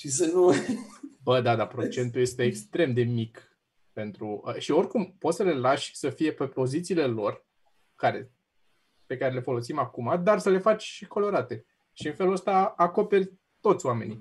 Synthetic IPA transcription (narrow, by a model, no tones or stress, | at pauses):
ʃis̬ənu | bəd̪ad̪apɾo̞t͡ʃe̞nt̪uje̞st̪eːkst̪ɾe̞md̪e̞mik | pe̞nt̪ɾuəʃio̞rkumpot̪səle̞laʃʲsəfije̞pepo̞zit̪siːle̞lo̞r | kaɾe̞ | pe̞kaɾe̞le̞fo̞lo̞simakumad̪arsəle̞fat͡ʃʲʃikʰo̞lo̞ɾat̪e̞ | ʃiɨnfe̞luəst̪aako̞pe̞rʲ | t̪o̞t̪sʲwame̞ni